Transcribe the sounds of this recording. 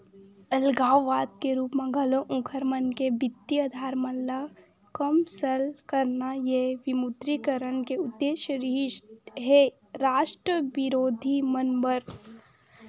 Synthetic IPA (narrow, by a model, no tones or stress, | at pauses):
ɐlɡaːwʋaːd̪̚keɾuːpmẽɡɐlõʔũkʰəɾmənkebɪt̪ːiəd̪ʱaːɾmɐlːa | kəmsəlkəɾnajeʋɪmud̪ɾikəɾənkeʊd̪ːeːʃəɾɪɦɦe | ɾaːʃʈɾəʋɪɾoːd̪ʱimɐnbəɾ